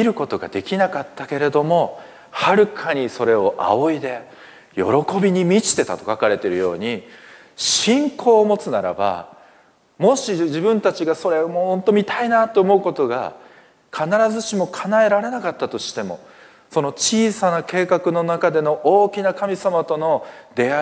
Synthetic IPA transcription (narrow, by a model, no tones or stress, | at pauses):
iɾɯ̟ko̞t̪o̞ɡa̰d̪e̞kʲinakat̪ːake̞ɾe̞d̪o̞mo̞ | haɾɯ̟kʰaɲ̟iso̞ɾe̞o̞ʔa̰oid̪e̞ | jo̞̰ɾo̞ko̞bʲiɲ̟imʲit͡ɕi̥t̪e̞t̪a̰t̪o̞̥kakaɾe̞t̪e̞ɾɯ̟jo̞̰ːɲ̟i | ɕĩŋkʰo̞ːmo̞t͡sɨnaɾa̰ba̰ | mo̞ɕiʑibɯ̟̃nt̪at͡ɕiɡaso̞ɾe̞mohõ̞nt̪o̞mʲit̪ainat̪ːoːmo̞ɯko̞t̪o̞ɡa̰ | kʰanaɾazɨɕimo̞kʰanae̞ɾaɾe̞nakat̪ːat̪o̞ɕi̥t̪e̞mo̞̰ | so̞no̞t͡ɕiːsanake̞ːkakɯ̟no̞nakad̪e̞no̞ʔoːkʲinakamʲisamat̪o̞no̞d̪e̞a